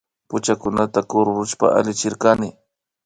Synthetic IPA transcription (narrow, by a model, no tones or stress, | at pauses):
pʊt͡ʃakʊnat̪akoɾʊɾʊʃpa̰a̰lɪt͡ʃɪɾkanɪ